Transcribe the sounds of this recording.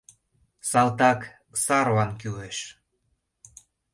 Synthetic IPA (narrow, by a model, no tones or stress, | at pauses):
sɑlt̪ɑk | sɑɾvɑnkyleʃ